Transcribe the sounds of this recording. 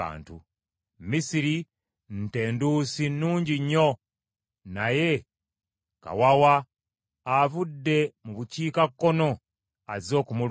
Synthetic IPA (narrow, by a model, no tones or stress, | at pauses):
a̰ːntṵ | misiɾi | n̩te̞ːnduːsinːuːɲɟiɲːo̞ | naje̞ | ka̰wawaː | vudːe̞muβuciːkakːo̞no̞ | azo̞ːkumu